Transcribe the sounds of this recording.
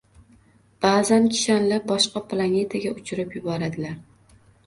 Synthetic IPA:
b̥aːzankʲʰɪ̥ʃanlabɒʃqɑplˠane̞t̪ʰaɡʲaʔʊt͡ʃʰɾɪpjʊbɒɾad̪ɪlaɾ

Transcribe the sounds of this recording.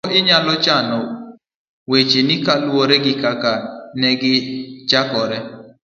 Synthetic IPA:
ʔɪɲalɔt͡ʃanɔ | wet͡ʃenɪkalwoɾɛɡɪkakanɛɡɪt͡ʃakɔɾɛ

